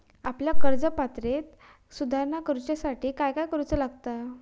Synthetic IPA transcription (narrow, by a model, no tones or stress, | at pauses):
apljakəɾd͡zəpat̪ɾet̪ | sud̪ʱaɾnakəɾut͡ɕasaʈʰiːkajkajkəɾut͡səlaɡ̚t̪a